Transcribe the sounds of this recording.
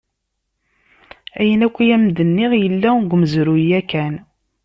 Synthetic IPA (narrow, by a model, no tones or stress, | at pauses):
æjənækʷːijæmd̪ənːiʁjəlːæɡʷməzɾujækːæn